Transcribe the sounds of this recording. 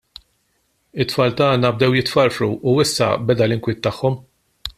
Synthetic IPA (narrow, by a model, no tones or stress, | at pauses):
ɪt̪ːfɐːlt̪ɐːnɐb̚d̪ɛwjɪt̪fɐɾfɾuʔuɪsːɐ̰bɛd̪ɐlɪŋkwɪːt̪ːɐħːɔm